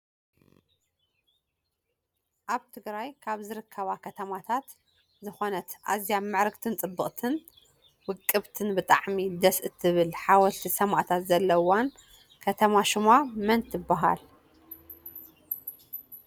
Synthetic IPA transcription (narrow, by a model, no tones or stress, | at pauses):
ʔaβt̪ʰɨɡɾajkʰaβzɨɾɨkʰːɐβakʰɐt̪ʰɐmat̪ʰat̪ | zɨxo̞nɐt̪ʔa̰zjamːɨʕɾɨkt̪ʰɨnt̪ʼɨbːɨχʼt̪ʰɨn | wɨkʼːɨβt̪ʰɨnbɨt̪ʼa̰ʕmid̪ɐsʔɨt̪ʰːɨβɨlħawɔlt̪ʰisɐmaʔt̪ʰat̪zɐlːɐwan | kʰɐt̪ʰɐmaʃɪmamɐnt̪ɪbːaɦa̰l